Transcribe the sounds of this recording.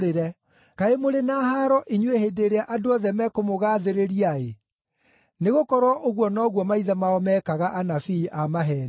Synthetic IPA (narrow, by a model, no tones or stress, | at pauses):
eɾɛ | kaemoɾenahaɾɔʔiɲwehedeɾeaʔadoɔðɛmɛkomoɣaːðeɾeɾiae | neɣokɔɾwɔʔoɣwɔnɔɣwɔmaiðamaɔmɛkaɣaʔanafiːʔamaɦɛːn